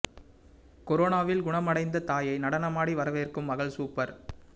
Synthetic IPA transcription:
kɔɾoːnaːʋɪlɡʊɳɐmɐɽɐɪnd̪ɐt̪aːjɐɪnɐɽɐnɐmaːɽiʋɐɾɐʋɐɪrkɯmːɐɣɐɭsuːpːɐɾ

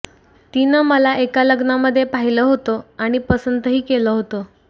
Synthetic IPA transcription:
t̪inəːməlaʔekaləɡnaməd̪ʱːjepaɦiləːɦot̪oaɽ̃ipəsənt̪əɦiːkeləːɦot̪o

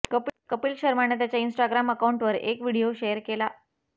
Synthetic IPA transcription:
kəpkəpiːlɕəɾmanet̪̬jat͡ɕjainsʈaɡɾaməkauɳʈʋəɾḛkʋiɽioɕeəɾkela

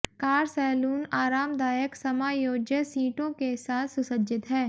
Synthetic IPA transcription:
kaːɾsɛːluːnaːɾaːmd̪aːjəksɐmaːjoːd͡ʒjəsiːʈõkesaːt̪ʰsʊsəd͡ʒɪt̪ɦɛː

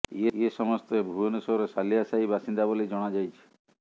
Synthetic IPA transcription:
eesɔmɔst̪ebʱuonusɔɾesalijasaibasind̪abolid͡ʒɔɽ̃ad͡ʒajt͡ʃʰi̥

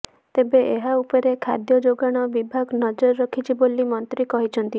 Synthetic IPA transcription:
t̪ebeʔeɦaupɔɾekʰa̰d̪jɔd͡ʒoɡaɽ̃ɔbibʱaɡnɔd͡ʒɔɾɔɾɔkʰit͡ʃʰibolimɔnt̪ɾikɔɦit͡ʃʰɔnt̪i

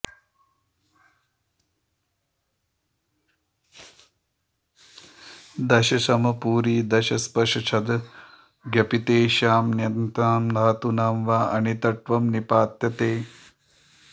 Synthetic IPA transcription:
d̪ɐʃɐsɐmɐpuːɾiːd̪ɐʃɐspɐʂɐt͡ʃʰɐd̪ | ɡjɐpit̪eːʃaːmnjɐnt̪aːmlaːt̪unaːmʋaːʔɐnit̪ɐʈʋɐmnipaːt̪jɐt̪eː

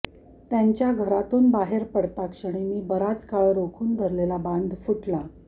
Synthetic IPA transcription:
t̪jaɲt͡ɕjaɡʱəɾat̪uːnbaɦeɾpəɽt̪akʂəɽ̃emiːbəɾat͡skaɭɾokʰuːnd̪ʱəɾlelaband̪ʱfuʈla

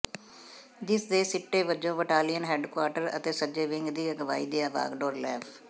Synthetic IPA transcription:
d͡ʒɪsd̪eːsɪʈːeːʋəd͡ʒõːʋəʈaːlijənɦɛːɖkwaːɾʈəɾə̰t̪eːsəd͡ʒeːʋɪŋɡd̪iːəɡəʋaːiːd̪iːaːʋa̰ːɡɖoːɾlɛːpʰ

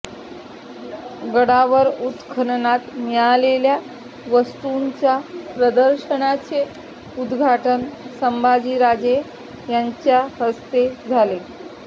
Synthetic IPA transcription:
ɡəɽaʋəɾut̪kʰənnat̪mjɭalelja | ʋəst̪uɲt͡ɕjapɾəd̪əɾɕəɳat͡ɕe | ud̪ɡʱaʈənsəmbad͡ʑiːɾad͡ze | jaɲt͡ɕjahəst̪ed͡zʱale

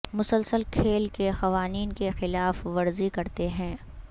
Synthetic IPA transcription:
mʊsəlsəlkʰeːlkexɐʋaːniːnkexɪlaːfʋɐɾzikɐɾt̪eɦɛ̃ː

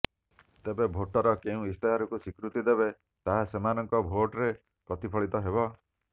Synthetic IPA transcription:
t̪ebebʱoʈɔɾɔkeũist̪eɦaɾɔkusikɾut̪id̪ebe | t̪aɦasemanɔŋkɔbʱoʈɾe | pɾɔt̪ipʰɔɭit̪ɔɦebɔ

